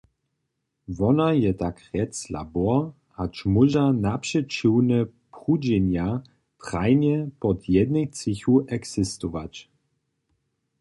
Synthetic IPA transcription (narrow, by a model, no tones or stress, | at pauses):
vɔnajɛtakʁɛt͡sla̰bɔɐ | hat͡ʃmuʒanapʂɛt͡ʃiwnɛpʁud͡ʑɛnja | t̪ʁajnjɛpɔt̪ʰjɛdnɛxt͡sɪxuʔɛksɪst̪ɔvat͡ɕ